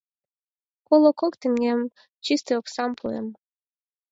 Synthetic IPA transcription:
kolˠokokt̪ɘŋem | t͡ɕist̪eoksɑmpʰuḛm

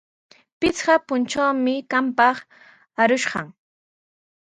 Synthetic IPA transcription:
pɪt͡sɢɑpʊnt͡ʃawmɪkampɑχ | aɾʊʃɢɑŋ

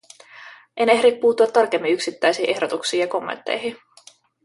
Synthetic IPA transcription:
ʔe̞neɦɾippːuːt̪ːuɑt̪ːɑrk̟emːiyksit̪ːæjsiːʔe̞hdo̞t̪uksiːjɑko̞mːḛnt̪ːḛjɦi

